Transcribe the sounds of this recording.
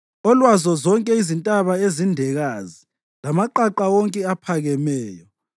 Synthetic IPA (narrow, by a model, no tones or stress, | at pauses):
ɔlwazɔzɔŋkʼɛizintʼaβaezindʱɛɣazi | lamaǃaǃawɔŋkʼɛapʰaɣɛmɛːjɔ